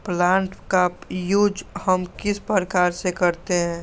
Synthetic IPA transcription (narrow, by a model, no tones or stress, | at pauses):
plãːɳʈkapjud͡ʒhəmkɪspəɾəkaːɾsekəɾt̪eɦɛ̃ː